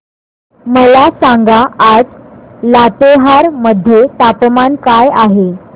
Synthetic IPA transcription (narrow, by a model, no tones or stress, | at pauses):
məlasaŋɡaad͡zlat̪eɦaɾməd̪ʱːjet̪apmankajaɦe